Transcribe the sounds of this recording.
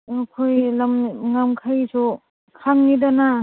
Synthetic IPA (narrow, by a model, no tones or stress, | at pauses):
akʰojlamŋamkʰajsʰu | kʰaŋnidana